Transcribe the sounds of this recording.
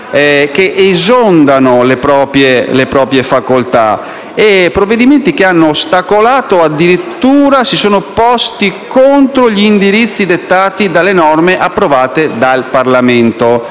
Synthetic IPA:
ɛk̟eʔezond̪anolepɾɔːpɾjelepɾɔːpɾjefakolt̪a̰ | epːɾovːed̪iment̪ik̟eanːoːst̪akolaːt̪oad̪ːiɾit̪ːuːɾasisoːnopɔst̪ikont̪ɾoʎiːnd̪iɾit̪sːid̪et̪ːaːt̪id̪alːenɔrmeʔapːɾovaːt̪ed̪alparlament̪o

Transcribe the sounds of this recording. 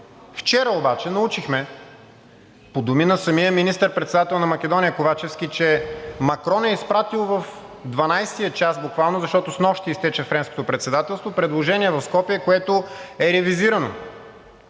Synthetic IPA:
ft͡ʃɛɾəobat͡ʃɛnɐut͡ʃixmɛ | pod̪ʊminɐsɐmijəminist̪əɾpɾɛt̪sɛd̪at̪ɛlˠnɐmɐk̟ɛd̪ɔnʲijəkovat͡ʃɛfskit͡ʃɛmɐkɾɔnɛispɾat̪ilˠvɐf | d̪vɐnajst̪ijət͡ʃasbukvalˠnʊzɐʃt̪ɔt̪ʊsnɔʃt̪iːst̪ɛt͡ʃɛfɾɛnsko̥t̪opɾɛt̪sɛd̪at̪ɛlˠst̪vopɾɛd̪lˠoʒɛniɛvɐfskɔpijɛkoɛt̪ʊɛɾɛviziɾɐno̰

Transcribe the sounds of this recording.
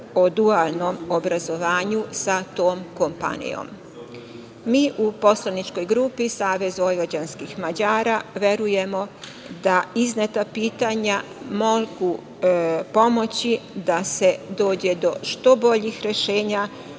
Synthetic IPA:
o̞d̪ualˠno̞mobɾazo̞ʋaːɲusat̪o̞ːmko̞mpa̰nḭjo̰m | iːʔupo̞slˠanit͡ʃko̞jɡɾupisaːʋe̞zʋo̞jʋod͡ʑanskixmad͡ʑaːɾaʋje̞ɾuje̞mo̞ | d̪aiznet̪apiːt̪aɲa | moɡu | po̞mo̞t͡ɕid̪ase̞d̪o̞ːd͡ʑe̞d̪o̞ʃt̪o̞bo̞ʎixɾe̞ʃe̞ːɲa

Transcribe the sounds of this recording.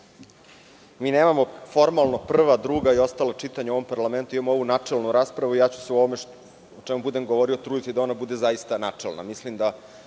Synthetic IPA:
miːneːmamo̞fo̞ɾmalˠno̞pr̩ʋad̪ɾuːɡaio̞st̪alat͡ʂit̪aɲao̞ʋompaɾlˠame̞nt̪uimamoo̞ʋunat͡ʂelˠnuɾaːspɾaʋuijaːt͡ɕu̥seuoʋome | ot͡ʂemubud̪emɡoʋo̞ɾiot̪ɾuːd̪it̪id̪ao̞nabud̪e̞zaist̪anat͡ʂelˠna̰mislimd̪a

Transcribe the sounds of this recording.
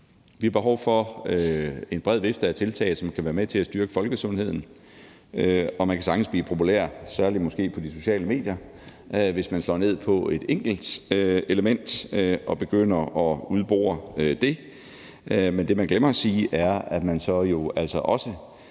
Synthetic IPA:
ʋihɑ̈b̥e̝ɦɒʊfɒ̽øe̝nb̥ʁɛð̞̰ˠʋe̝fd̥ɐæt͡sʰe̝lt͡sʰɛ̰ɪsɒ̽mkʰæʋæːɐmet͡sʰe̝læsd̥yɐɡ̥əfɒ̽lɡ̥əsɔ̽nhe̝ð̞̰ˠn̩ | ɒ̽mænkʰæsɑ̈ŋ̥ɡ̥n̩sb̥lḭːpʰo̝pʰulæ̰ɐ̰sæɐlimɒ̽sɡ̥e̝̰ːpʰɒ̽d̥iso̝ɕɛ̰ːləme̝̰ːd̥jɐ | ʋe̝smænslɒ̰ːne̝ð̰ˠpʰɒ̽e̝d̥eŋ̰ɡ̥l̩d̥e̝ləmen̰d̥ʔɒ̽b̥e̝ɡ̥øn̰ɐɒ̽uðˠb̥o̰ːɐd̥e̝ | mend̥e̝mænɡ̥lemɐæsiːʔæɐæ̥mænsɒ̽jo̝æl̰sɒ̽ʔɒ̽sə

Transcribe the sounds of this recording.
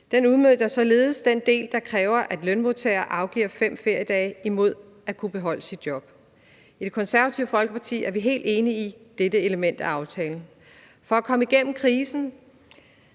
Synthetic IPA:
d̥enuðˠmøðˠjɐsɒ̽le̝ːð̞̩ˠəsd̥end̥e̝̰ːld̥ɑ̈kʰʁɛːʊɐʔæd̥lønmo̝t͡sʰḛːɐʔɑ̈ʊɡ̥ḭːɐ̰fem̰fe̝ɐ̰jəd̥ɛ̰ːɪimo̝ð̞̰ˠ | ækʰub̥e̝ɦɒ̽l̰əsid̥̚jɒ̽b̥̚ | id̥e̝kʰɒ̽nsæɐʋæt͡sʰiʊfɒ̽lɡ̥əpʰɑ̈t͡sʰḭːæɐʋiɦe̝̰ːld̥e̝ːniːd̥ed̥əe̝ləmen̰d̥æɑ̈ʊt͡sʰɛːln̩ | fɒ̽ækʰɒ̽məiɡ̥en̰m̩kʰʁiːsn̩

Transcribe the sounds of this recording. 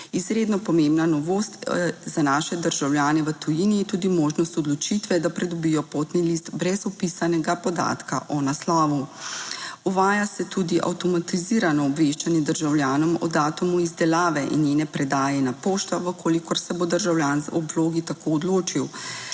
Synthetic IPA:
izɾeːd̪nɔpɔmembnanɔʋoːst̪zanaːʃɛd̪əɾʒawlʲjaːnɛʋət̪ujiniːt̪uːd̪imoːʒnɔst̪ɔd̪lɔt͡ʃit̪ʋɛd̪apɾɛd̪ɔbijɔpoːt̪nilist̪bɾɛzɔpisanɛɡapɔd̪a̰ːt̪ka̰ʔɔnaslaːʋu | uʋaːjasɛt̪ud̪iʔa̰wt̪ɔmat̪iziːɾanɔːbʋeʃt͡ʃanjɛd̪əɾʒawljaːnɔmɔ̰d̪aːt̪umuizd̪ɛlaːʋɛʔḭnjeːnɛpɾɛd̪aːjɛnapoːʃt̪aʋəkʰoːlikɔɾsɛbod̪əɾʒawljaːnzɔbloːɡit̪akoɔd̪loːt͡ʃiw

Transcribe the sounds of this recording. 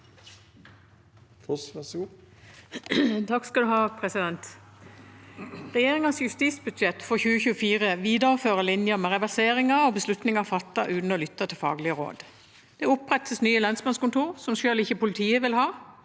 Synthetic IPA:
t̪ʰɑkskɑd̪ʉhɑːpʰʁɛsɪd̪ɛnt̪ | ʁɛjeːʁɪŋənsjʉst̪iːsbʉd̪ʃɛt̪fɔçʉːəçʉːəfiːʁəʋiːd̪əʁəføːʁəlɪnjəmɛʁɛʋæseːʁɪŋɑʁoːbəslʉt̪nɪŋɑfɑt̪ːɑʔʉːn̩oːlʏt̪ːɑt̪ʰɪlfɑ̰ːɡlɪəʁo̰ːd̪ | d̪̥ɛʊpːʁɛt̪əsnyːəlɑnsmɑnskʊnt̪ʰuːʁsɔmʃøːlɪçəpʊlɪt̪ʰiːəʋɪlhɑː

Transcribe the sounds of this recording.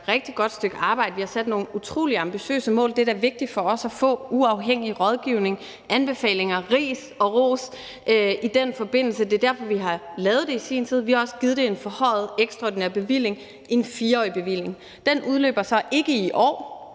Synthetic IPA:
ʁɛɡ̥̚d̥iɡ̥ɒ̽d̥sd̥øɡ̥əɑ̈ːb̥ɑ̈ɪd̥əʋihɑ̈sæd̥no̝ːn̩ut͡sʰʁo̝̰ːliɑ̈mb̥iɕø̰ːsəmɔ̰̽ːld̥e̝d̥æɐʋe̝ɡ̥̚d̥i̥fɒ̽ɒ̽sæfɔ̰̽ːuɑ̈ʊɦeŋ̰iʁɒ̽ð̞ˠɡ̥iʊne̝ŋ | ʔænb̥e̝fɛ̰ːle̝ŋɐʁḭːs | ɒ̽ʁo̝̰ːs | ʔøid̥enfɒ̽b̥e̝n̰l̩səd̥e̝d̥æɐfɒ̽ʋiɦɑ̈lɛːʊð̞̩ˠd̥e̝isiːnt͡sʰið̞̰ˠʋihɑ̈ɒ̽səɡ̥ið̞̩ˠd̥e̝enfɒ̽hɒ̽ɪð̞̩ˠeɡ̥sd̥ʁɑɒ̰ːd̥ineɐ̰b̥e̝ʋil̰e̝ŋ | ʔinfiːɐɒ̰ːib̥e̝ʋil̰e̝ŋ | d̥enuð̞ˠlø̰ːb̥ɐsɒ̽ʔe̝ɡ̥əiʔɒ̰ː

